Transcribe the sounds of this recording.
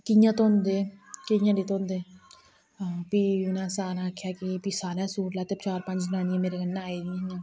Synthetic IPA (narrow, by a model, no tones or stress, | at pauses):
kɪjãːt̪õɦʊnd̪eːkɪjãːliːt̪oʊnd̪eː | piːnãːsaːnãːkʰjaːkipiːsaːnɛ̃ːsuːɾlaːt̪eːbt͡ʃaːɾpə̃ɲt͡ʃd͡ʒnãːnijãːmeːɾeːɡənːãaːeːɡinãː